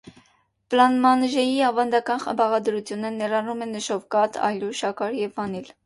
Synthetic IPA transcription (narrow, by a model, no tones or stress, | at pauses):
pəlɑnmɑnəʒɛjiɑvɑnd̪ɑkɑnχə̰mbɑʁɑd̪əɾut͡sʰjunənɛrɑnumɛnəʃɔvkɑt̪ʰɑ̰jluʃɑkɑɾjɛvːɑnil